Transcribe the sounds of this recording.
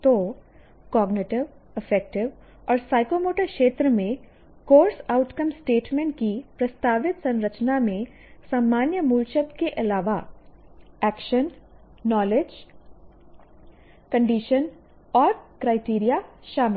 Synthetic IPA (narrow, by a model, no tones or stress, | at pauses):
t̪o | kɔːɡnɪʈɪʋ | ɪfɛk̚ʈɪʋ | ɔːɾsaːɪkomoːʈəɾkʃeːt̪ɾəmẽ | koːɾsaːʊʈkəmsʈeːʈmɛ̃ɳʈ̚kipɾɐst̪aːʋɪt̪sɐ̃nɾət͡ʃnamẽ | saːmːaːnjəmult͡ʃəd̪keʔɐlaːʋa | ɛːkʃənː | ɔːled͡ʒ | kɐ̃ɳɖiːʃən | ɔːɾkɾaːɪʈiːɾijaʃaːmɪl